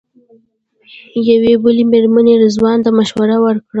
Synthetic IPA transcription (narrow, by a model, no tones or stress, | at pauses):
jawebəlemeɾmaned̪əzwɑnt̪amaʃwaɾawəɾkɽa